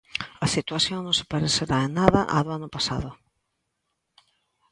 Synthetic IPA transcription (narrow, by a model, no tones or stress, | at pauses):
ɐsit̪waθjoŋnõnsɪ̥paɾeθeɾaenːaðɐʔaðʊanʊpasa̰ðʊ